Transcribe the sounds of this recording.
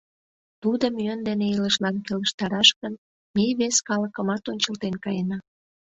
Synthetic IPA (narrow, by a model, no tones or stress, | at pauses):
t̪ud̪əmyənd̪eneiləʃlɑnkeləʃt̪ɑɾɑʃkən | meβeskɑləkəmɑt̪onʲt͡ɕəlt̪enkɑjenɑ